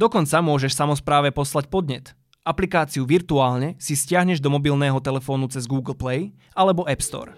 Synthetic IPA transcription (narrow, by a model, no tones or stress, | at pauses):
d̪ɔkɔnt͡samʊɔʒɛʃfsamɔspɾaːʋɛpɔslacpɔd̪ɲɛt̪ | ʔaplikaːt͡siuʋiɾt̪uaːlɲɛsiscɪaɦɲɛʒd̪ɔmɔbilnɛːɦɔt̪ɛlɛfɔːnut͡sɛzɡuːɡl̩plɛj | alɛbɔʔɛpst̪ɔ̰ːɾ